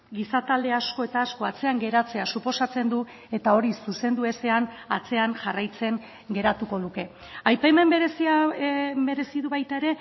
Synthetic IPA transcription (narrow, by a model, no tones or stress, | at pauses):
ɡisat̪ald̪e̞asko̞e̞t̪aːsko̞at͡se̞aŋɡe̞ɾat͡se̞asupo̞sat͡se̞nd̪u | e̞t̪ao̞ɾisuse̞nd̪ue̞se̞an | at͡se̞aŋʝarajt͡se̞ŋ | ɡe̞ɾat̪uko̞ðuke̞ | ajpajme̞mbeɾesiabe̞ɾe̞siðuβajt̪ae̞ɾe̞